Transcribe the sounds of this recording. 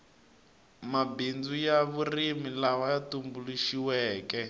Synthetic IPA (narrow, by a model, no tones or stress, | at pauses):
mabind͡zujaβurimilawajatumbuluʃiwɛːkɛ